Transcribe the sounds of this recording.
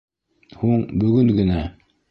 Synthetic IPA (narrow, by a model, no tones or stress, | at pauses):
huɴbɵ̆ɡɵŋɡɘ̆næ